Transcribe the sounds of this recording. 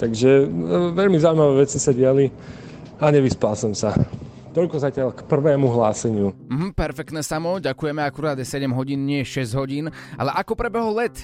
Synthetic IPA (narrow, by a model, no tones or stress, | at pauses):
t̪aɡʒɛʋɛʎmizauimaʋɛːʋɛt͡sisaɟɪali | aɲɛʋispalsɔmsa | t̪ɔʎkɔzacɪaʎkpr̩ʋɛːmuɦlaːsɛɲɪum̩ɦm̩pɛɾfɛk̚t̪nɛːsamɔɟakujɛmɛakuɾaːd̪jɛsɛɟɛmɦɔɟiːnɲɪɛjɛʃɛzɟɦɔɟiːna̰lɛʔakɔpɾɛbɛɦɔlɛt̪